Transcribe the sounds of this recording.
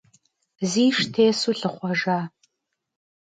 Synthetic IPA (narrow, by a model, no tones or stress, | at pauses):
ziːʂtʰeːsuɬɨχʷɔʒaː